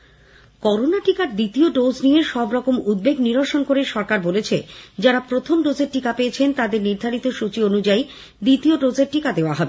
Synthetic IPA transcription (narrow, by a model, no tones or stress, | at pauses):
kɔɾonaʈikaɾd̪it̪ioɖod͡ʑnijeʃɔbɾɔkomud̪̚beɡniɾoʃonkoɾeʃɔɾkaɾbolet͡ɕʰed͡ʑaɾapɾot̪ʰomɖozeɾʈikapeet͡ɕʰent̪ad̪eɾniɾd̪ʱaɾit̪oʃut͡ɕionud͡ʑai | d̪it̪ioɖod͡ʑeɾʈikad̪eoaɦɔbe